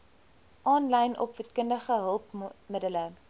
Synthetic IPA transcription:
ʔɑːnlɛjnʔɔ̰pvətkəndəχəɦəlˠpmədələ

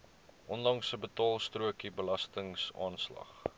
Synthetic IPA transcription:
ʔɔnlɐŋsəbətɑːlˠstruəkibəlɐstəŋsɑ̰ːnslɐ̰χ

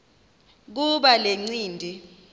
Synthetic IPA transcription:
k̬uɓaleŋ͡ǀiːndʱi

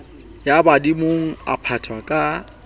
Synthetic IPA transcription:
jabadimoŋ̩a̰pʰatʰwakʼa

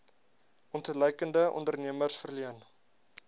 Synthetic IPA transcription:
ʔɔntələjkəndəʔɔ̰ndərniəmərsfərliən

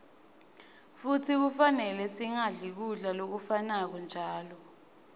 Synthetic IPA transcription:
futʰik̬ufanɛlɛsiŋaɮik̬uɮalok̬ufanak̬ɔnd͡ʒʱaːlɔ

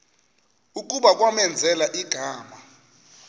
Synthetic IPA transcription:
ukʼuɓak̬ʼwamɛnd͡zʱɛlaʔiɡ̥ʱaːma

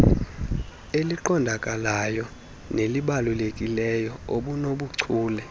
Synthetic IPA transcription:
eliǃɔndʱakʼalajɔ | neliɓalulekʼilɛjɔoɓunoɓuǀʰuːlɛ

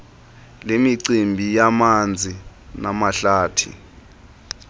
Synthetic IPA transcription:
lemiǀimbʱijamand͡zʱinamaɬaːtʰḭ

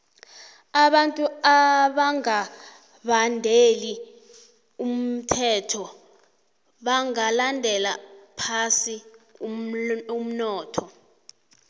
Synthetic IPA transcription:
aɓantʼuaɓaŋa | ɓandʱeli | um̩tʰɛtʰɔ | ɓaŋalandʱɛlapʰasi | um̩nɔːtʰɔ

